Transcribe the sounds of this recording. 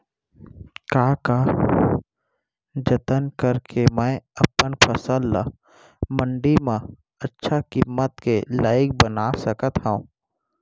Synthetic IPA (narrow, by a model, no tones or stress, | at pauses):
kaːka | d͡ʒət̪ənkəɾkʰemɛ̃əpənpʰəsəlːa̰ | mə̃ɳɖimã | ətːʃʰakimːət̪kelaːɪk̚bənasəkət̪ɦɛũː